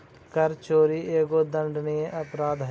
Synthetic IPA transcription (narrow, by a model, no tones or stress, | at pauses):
kəɾt͡ʃoːɾiːeːɡoːd̪əɳɖnijẽːʔəpɾaːd̪ɦ